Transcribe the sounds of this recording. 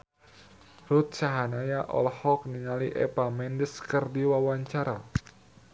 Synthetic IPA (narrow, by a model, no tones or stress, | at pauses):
rut̪̚t͡ʃaɦanajaʔɔ̰lhɔk̚niŋaliʔɛ̰pamɛndəskɨrdiwawaɲt͡ʃaɾa